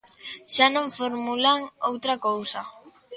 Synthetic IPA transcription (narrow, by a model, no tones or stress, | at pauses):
ʃanõŋfoɾmulaŋowt̪ɾakowsa